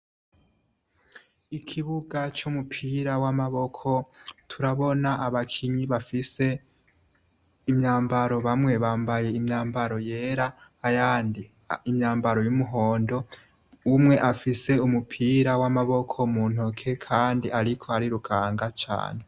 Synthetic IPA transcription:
ikʰiβuɡat͡ʃumupʰiɾawamaβo̞kʰo̞tʰuɾaβo̞naʔaβakʰiɲiβafise̞ | imɲaːmbaɾo̞βamŋe̞βaːmbaje̞imɲaːmbaɾo̞je̞ːɾaː | jaːndi | imɲaːmbaɾo̞jumuɦoːndo̞ | umŋe̞ʔafise̞umupʰiːɾawamaβo̞kʰo̞muːn̥okʰe̞kʰaːndiʔaɾikʰoaɾiɾukʰaːŋɡat͡ʃa̰ːne̞

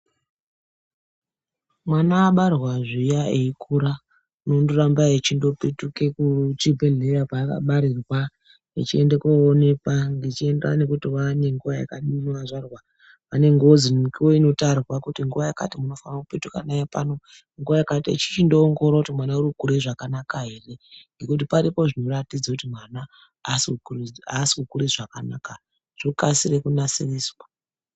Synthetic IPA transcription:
mwanaːɓarwaʐijaeikʰuɾa | nondurambaet͡ʃindo̞petukekut͡ʃibʱeɮe̞japaːka̰ɓaɾirwa | it͡ʃie̞ndekoone̞kaŋɡit͡ʃienda̰ne̞kutiwane̞ŋɡuʋaja̰kaɗinoaʐarwa | ʋane̞ŋɡeoziikiwoino̞tarrwakutiŋɡuʋajaka̰timuno̞fanakupetuka̰najepa̰no̞ | ŋɡuʋajakatḛt͡ʃi̥t͡ʃindooŋɡo̞ɾakutimwanauɾiukuɾiʐakanakaɦe̞re̞ŋɡe̞kut̬ipaɾipo̞ʐino̞ratid͡zakutimwanaː | siukuriasi̥kukuɾiʐakanaka | ʐ̥okasirekunasiriːswa

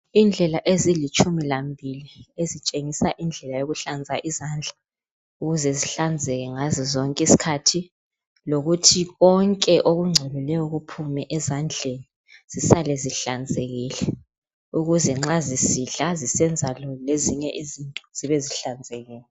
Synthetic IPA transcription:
ind͡ɮʱɛlaʔezilit͡ʃʰʼumilambʱiliezit͡ʃʼeŋisaʔind͡ɮʱɛlajoɣuɬand͡zʱaʔizand͡ɮʱa | uɣuzɛziɬand͡zʱɛɣɛŋazizɔŋkʼisi̥kʰatʰi | loɣutʰiɣɔŋkʼɛʔoɣuŋ͡ǀʱelulɛjɔɣupʰumɛʔɛzand͡ɮʱeni | z̥isalɛziɬand͡zʱeɣiːlɛ | uɣuzɛŋ͡ǁazisiɮazisɛnd͡zʱalɔleziɲɛʔizintʼɔz̥iβɛziɬand͡zʱɛɣɛːlɛ

